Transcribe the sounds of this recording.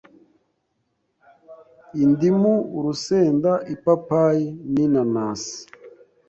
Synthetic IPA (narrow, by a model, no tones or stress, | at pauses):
indimuɾuseːndaʔipapajininanaːsi̥